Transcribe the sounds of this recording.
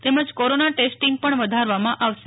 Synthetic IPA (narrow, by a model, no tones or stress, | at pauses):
t̪eməd͡ʒkoɾonaʈesʈiŋɡ̚pəɳʋəd̪ʱaɾʋamãʔaʋʃe̥